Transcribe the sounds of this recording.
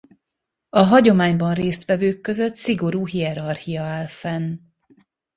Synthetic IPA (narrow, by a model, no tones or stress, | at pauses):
ɒɦɒɟo̞maːɲbɒnreːst̪ʋɛvøːkːøzøt̪siɡo̞ɾuːɦiɛɾɒrhijɒaːlfɛn